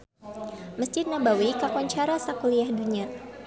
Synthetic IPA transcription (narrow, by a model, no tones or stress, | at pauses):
məsd͡ʒɪt̪̚nabawikakɔɲt͡ʃaɾasakuliahduɲa